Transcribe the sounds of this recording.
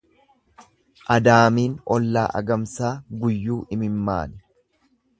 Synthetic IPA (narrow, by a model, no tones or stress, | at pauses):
ʔɐd̪aːmiːnɔlːa̰ːʔɐ̰ɡɐmsaːɡʊjːuːɪmɪmːa̰ːnɪ